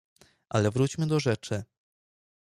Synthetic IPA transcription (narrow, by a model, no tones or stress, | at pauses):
ʔalɛvɾut͡ɕmɘd̪ɔʐɛt͡ʂɘ